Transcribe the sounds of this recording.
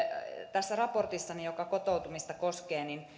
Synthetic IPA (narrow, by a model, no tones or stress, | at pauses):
t̪æsːærɑport̪isːɑnijokɑkot̪out̪umist̪ɑkoskeːnin